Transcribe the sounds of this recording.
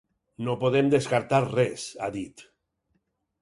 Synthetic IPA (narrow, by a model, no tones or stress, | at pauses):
nopoðemd̪eskaɾt̪aɾrɛsa̰ðit̪